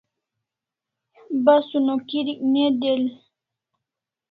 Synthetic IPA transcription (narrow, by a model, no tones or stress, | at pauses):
basunokiɾikned̪el